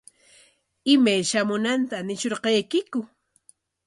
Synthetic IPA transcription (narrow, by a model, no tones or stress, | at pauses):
ɪmajʃamʊnant̪anɪʃoɾqɑjkɪkʊ